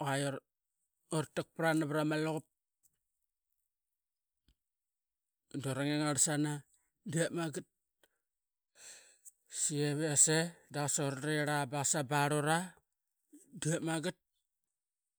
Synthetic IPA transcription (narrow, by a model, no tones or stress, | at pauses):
oajoɾ | oɾtak̚pɾanaβɾamaloɣup̚ | doɾaŋeŋaɾsana | diaʔmaɡit̚ | sieβeasedasaoɾɾeɾabasabaɾoɾa | diamaɡit̚